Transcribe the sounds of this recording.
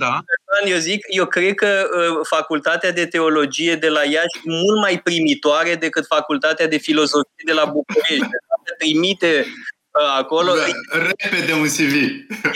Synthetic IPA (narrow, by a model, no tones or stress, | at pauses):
d̪aanjewzikje̞wkɾed̪̚kəəfakult̪at̪ead̪e̞t̪e̞o̞lo̞d͡ʒije̞d̪e̞lajaʃmult̪majpɾimit̪oaɾe̞d̪e̞kɨt̪fakult̪at̪ead̪e̞filo̞zo̞fije̞d̪e̞labuk̚uɾe̞ʃt̪at̪et̪ɾimit̪e̞ | əako̞loɾeped̪eunsivi